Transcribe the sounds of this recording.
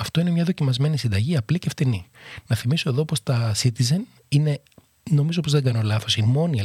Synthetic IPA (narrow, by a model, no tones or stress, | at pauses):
ɐft̪o̞ine̞mɲɐðo̞cimɐzme̞nisind̪ɐʝiɐpliceft̪ininɐθimiso̞e̞ðo̞po̞st̪ɐsit̪izen | ine̞ | no̞mizopozðeɡɐno̞lɐθo̞simo̞nie